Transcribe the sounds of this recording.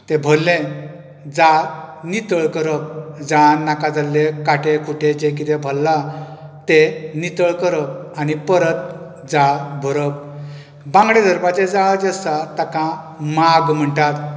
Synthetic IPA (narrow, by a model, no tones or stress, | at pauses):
t̪ebʱəlːẽ | d͡zanit̪əɭkəɾəp̚d͡zanːakad͡zalːekaʈẽkʰuʈʰed͡ʑek̬it̪ebʱəlːat̪enit̪əɭkəɾəp̚anipəɾət̪̚ | d͡zaɭbʱəɾəp̚ | bãŋɡɽed̪ʱəɾpat͡ɕed͡zaɭad͡ʑesat̪akã | maɡm̤əɳʈat̪